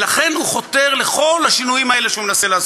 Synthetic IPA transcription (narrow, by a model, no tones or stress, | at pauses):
laχe̞nhuχo̞t̪e̞ʁle̞χo̞laʃinuimaeleʃeumenaselaːz